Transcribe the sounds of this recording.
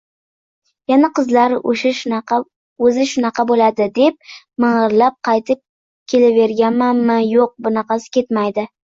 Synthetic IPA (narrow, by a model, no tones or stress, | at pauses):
janaqɨzlaɾoʃaʃ | ɵzɪʃʊnɑqʰɑbolad̪ɪd̪e̞p̚ | mɨɴɨɾlap̚qʰɑjt̪ʰɪp̚ | kʲʰe̞lave̞ɾɡʲanmanmajoq̚bʊnɑqɑsɪ̥kʲe̞t̪majd̪ɪ